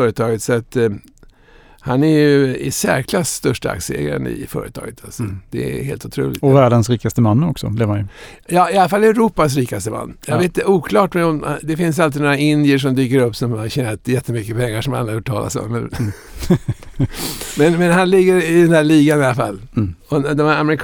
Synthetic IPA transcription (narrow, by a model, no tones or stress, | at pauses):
œːɾət̪ʰɑːɡət̪sɔat̪ | hanɛɾjɵɪsæ̰ɾkʰlasːt̪œʂʈaa̰ksəɛ̰ːɡɾa̰ɾə̰nɪ̰fœ̰ːɾə̰t̪ʰɑ̰ːɡət̪ʰalsɔd̪̥ɛ̰heːlt̪ʊ̥t̪ʰɾṵːlɪɔvæːɖənsɾiːkast̪əmanːɔksɔ̰d̪ɛvajə | jɑːɪalafalːɛʉɾuːpas̬ɾiːkast̪əma̰nːjɑɡveːt̪ɪnɛuːkʰlɑːʈmɛɔmd̪ɛfɪns̬alt̪ɪnoːɾaɪnd̪ɪəʂ̬ɔmd̪yːkəɾɵpːsɔmhaɕɛːnɾat̪jɛt̪ːəmʏkːəpʰɛŋːaʂɔma̰lːahuʈʰɑ̰ːla̰sɔ̰mːɛn | mɛnmɛnɦanlɪɡːəɾɪd̪ɛnd̪æɭiːɡanɪalːafa̰lːɔd̪ɔmhæɾamɛɾɪkʰ